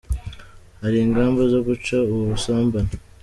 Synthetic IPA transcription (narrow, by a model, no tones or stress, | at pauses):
haɾiːŋɡaːmbozoɡut͡ʃauβusaːmbana